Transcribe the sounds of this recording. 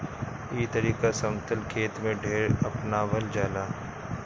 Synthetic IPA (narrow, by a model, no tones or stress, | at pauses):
iːt̪ɐɾiːkasɐmt̪əlkʰeːt̪mẽɖʱeːɾɐpnaʋɐld͡ʒaːlaː